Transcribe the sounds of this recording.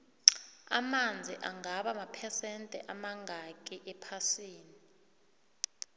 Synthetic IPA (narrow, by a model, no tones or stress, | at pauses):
a̰mand͡zʱiʔaŋaɓamapʰɛsɛntʼɛʔamaŋʱakʼiʔɛpʰasiːni